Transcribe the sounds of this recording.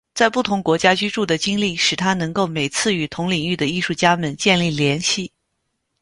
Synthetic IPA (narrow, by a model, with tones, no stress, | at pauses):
t͡sa˥˧ɪpu˥˩t̪ʰʊ˧˥ŋkwɔ˧˥t͡ɕja˥t͡ɕy˥ʈ͡ʂu˥˩d̪ə˩t͡ɕi˥ŋli˥˩ʂɻ̩˨˩t̪ʰa˥nɤ˧˥ŋko˥˩ʊme˨˩ɪt͡sʰɹ̩˥˩y˨˩t̪ʰʊ˧˥ŋli˨˩ŋy˥˩d̪ə˩i˥˧ʂu˥˩t͡ɕja˥mə˨˦nt͡ɕjɛ˥˧nli˥˩ljɛ˧˥nɕi˥˩